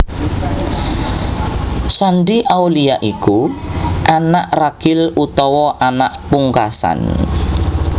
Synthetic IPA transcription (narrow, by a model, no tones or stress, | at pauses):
sanɖiʔawlijaʔikuʔanaʔrakɪlut̪ɔwɔʔanaʔpuŋkasa̰n